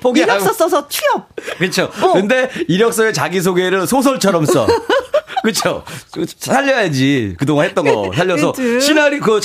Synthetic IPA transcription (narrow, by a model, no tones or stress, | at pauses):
poɡiɡʌs͈ʌsʰʌt͡ɕʰiʌp̚kɯt͡ɕʰokɯnde̞iɾjʌk̚s͈ʌet͡ɕaɡis̬ʰoɡeɾɯnsʰos̬ʰʌɭt͡ɕʰʌɾʌms͈ʌ̰ | kɯt͡ɕʰo̰ | sʰaʎːʌɦad͡ʑikɯdoŋanɦe̞t͈̚ʌnɡʌ̰sʰaʎːʌsʰʌɕʰinaɾikɯ